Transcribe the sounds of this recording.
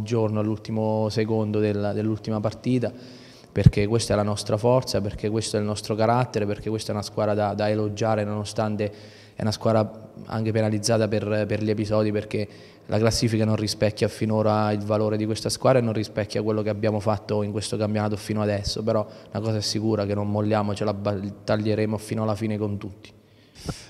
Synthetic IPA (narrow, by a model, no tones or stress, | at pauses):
d͡ʒornoalːult̪imosekond̪od̪eld̪elːult̪imapart̪iːt̪a | perk̟ekwest̪ɛlanɔst̪ɾafɔrt̪saperk̟ekːwest̪oɛlnɔst̪ɾokaɾat̪ːeɾeperkekwest̪ɛunaskwaːɾad̪ad̪aelod͡ʒaːɾenonost̪ant̪e | ɛ̰unaskwaːd̪aa̰ŋk̟epenalid̪zːaːt̪aperperʎiepizɔːd̪iperk̟e | lʔa̰klasːiːfikanonrispɛkːjafinoːɾailvaloːɾed̪ikwest̪askwad̪ɾaenːonrispɛkʰʲːakːwelːokeabjaːmofat̪ːoiŋkwest̪okampjonaːt̪ofiːnoad̪ɛsːopeɾɔnakɔːzaɛsːikuːɾakenːonmolːjaːmot͡ʃelabat̪aʎːeɾeːmofiːnoalːafiːnekont̪ut̪ːi̥